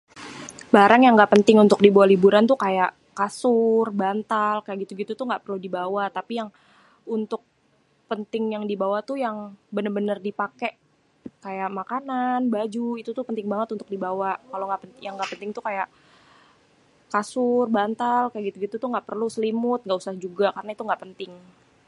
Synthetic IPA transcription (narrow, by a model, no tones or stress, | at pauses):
baɾaŋjaŋɡaʔpənt̪ɪŋunt̪ʊk̚dibawalibuɾant̪ukajaʔ | kasʊrbant̪alkajaʔɡit̪uɡit̪ut̪uŋɡaʔpərludibawat̪apijaŋ | unt̪ʊk̚ | pənt̪ɪŋjaŋdibawat̪ujaŋbənərbənərdipakɛʔ | kajaʔmakananbad͡ʒuit̪ut̪ʊpənt̪ɪŋbaŋət̪unt̪ʊk̚dibawakaloŋɡaʔpəjaŋːɡaʔpənt̪ɪŋt̪ukajaʔ | kasʊrbant̪alkajaɡit̪uɡit̪ut̪uŋɡaʔpərlusəlimʊt̪̚ŋɡaʔusahd͡ʒuɡakarənait̪uŋɡaʔpənt̪ɪŋ